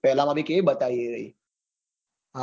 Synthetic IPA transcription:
pɛɦlãmãbʱikebət̪aieɾəi | ɦa

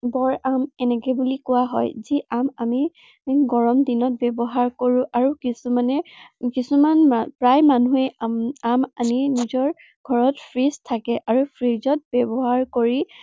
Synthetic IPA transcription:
bɔɹamɛnɛkɛbulikʊwaɦɔ̰jziʔamami | ɡɔɹɔmdinɔt̚bɛbɔɦaɹkoɹʊ̃ʔaɹukisumanɛkisumanpɹajmanuɛamaninizɔɹ | ɡ̥ʱɔɹɔtpʰɹistʰakɛʔaɹupʰɹizɔt̚bɛbɔɦaɹkoɹi

